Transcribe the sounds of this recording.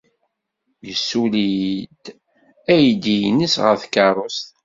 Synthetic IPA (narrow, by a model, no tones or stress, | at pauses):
jəsːulid̪ | æjd̪ijnəsʁəθkɑrˤost̪